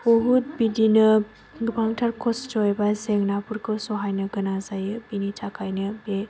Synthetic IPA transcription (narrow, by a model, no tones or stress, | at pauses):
oɦut̚bidinɯ | ɡɯbaŋtʰaɾkʰɔsd͡ʒɔjbazeŋnapuɾkʰɯsɔɦajnɯɡɯnazajɯbinit͡ʃʰakʰajnɯbe